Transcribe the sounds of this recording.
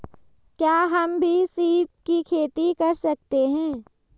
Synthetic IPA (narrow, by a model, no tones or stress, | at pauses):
kjaːɦɐmbʱisiːp̚kikʰeːt̪ikɐɾsɐk̚t̪eɦɛ̃ː